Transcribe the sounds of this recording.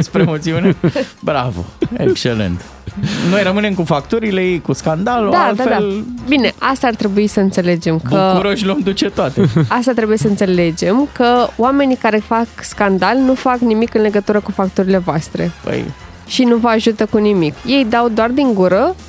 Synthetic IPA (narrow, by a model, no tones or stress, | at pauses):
espɾemot̪siunebɾavo̰ekt͡ʃelḛnt̪ | no̞jrəmɨne̞mkufak̚t̪uɾilejejkuskand̪alod̪alad̪albine̞ʔast̪aːrt̪ɾe̞buisəɨnt̪se̞le̞d͡ʒe̞mkbəkuɾo̞ʃlomd̪ut͡ʃe̞t̪oat̪east̪at̪ɾe̞buje̞səɨnt̪se̞le̞d͡ʒe̞mkəoame̞nikaɾe̞fakskand̪alnufaknimikɨnle̞ɡət̪uɾəkufak̚t̪uɾile̞voast̪ɾe̞̰pə̰j | ʃinuvəaʒut̪əkunimikje̞jd̪awd̪oard̪iŋɡuɾə